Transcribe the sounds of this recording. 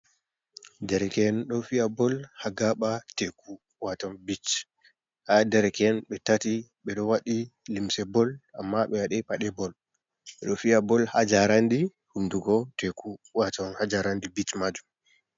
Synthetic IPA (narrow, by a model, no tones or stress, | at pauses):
dɛɾɛkɛnɗɔfiabɔlhaɡaɓateku | watanbit͡ʃ | hadɛɾɛkɛnɓɛtatiɓɛɗɔwaɗilimsɛbɔlʔa̰mːaɓɛwaɗɛpaɗɛbɔl | ɓɛɗɔfiabɔlhad͡ʒaɾandi | hunduɡɔtekuwatanhad͡ʒaɾandibit͡ʃmad͡ʒum